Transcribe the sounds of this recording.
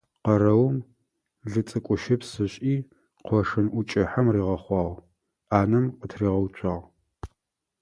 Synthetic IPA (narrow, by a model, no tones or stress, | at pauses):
qɐɾɐwm | ɮɨt͡sʼɨkʷʼʊʃɪpsɨɕʼiː | qʷɔʂɨnʔʷʊt͡ʃʼɪħamriːʁɐχʷɑːʁ | aːnɨmqətʰriːʁɐwt͡ʃʷʰʼɑːʁ